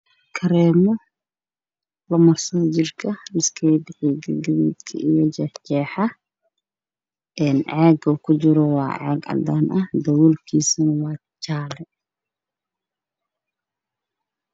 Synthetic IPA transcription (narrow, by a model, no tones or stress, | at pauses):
kʰɐɾɛːmɔ | lɐmɐrsɐðt͡ʃɪrkʰɐlɪskʰɛjbɪħiɡɐɡɐβṵːd̪kʰɐ̰ʔijɔd͡ʒɛht͡ʃɛːħɑ | ʔɛːnʕɑːɡɐukʰʊt͡ʃɪɾɔwɑ̰ːʕɑ̰ːɡɐ̰d̪aːnʔɐhd̪ɐwuːlkʰiːsɐnwɑː | t͡ʃaːlɛ